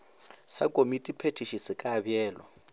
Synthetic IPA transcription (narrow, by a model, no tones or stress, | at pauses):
sakʼomitʼipʰetʰiʃisɪkʼaːbjɛːlɔ̰